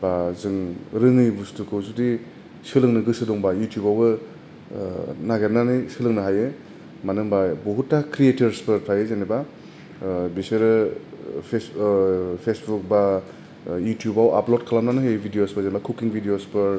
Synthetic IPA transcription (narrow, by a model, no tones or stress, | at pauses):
bazɯŋɾɯŋɯjbustukʰɯwzudi | sɯlɯŋnɯɡɯsɯdɔŋbajutjubawɡɯ | naɡenanijsɯlɯŋnɯɦaje | manɯŋbabuɦutːakʰɾietɯɾspɯɾpʰajezeniba | bisɯɾɯ | pʰes | pʰesbuk̚ba | jutjubawa̰plot̚kʰalamnanɯɦɯjbʱidijosbazenbakʰukiŋbʱidijospɯɾ